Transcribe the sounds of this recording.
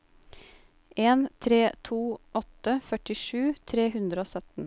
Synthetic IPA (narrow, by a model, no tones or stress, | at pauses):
ʔeːnt̪ʰɾeːt̪ʰuːʔɔt̪əfœʈɪʃʉːt̪ʰɾeːhʉnd̪ɾəoːsœt̪n̩